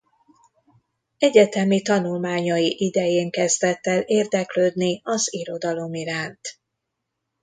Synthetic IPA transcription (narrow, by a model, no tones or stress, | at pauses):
ɛɟɛt̪ɛmit̪ɒnulmaːɲɒjiʔid̪ɛjeːŋkɛzd̪ɛt̪ːɛleːrd̪ɛkløːd̪niɒziɾo̞d̪ɒlo̞miɾaːnt̪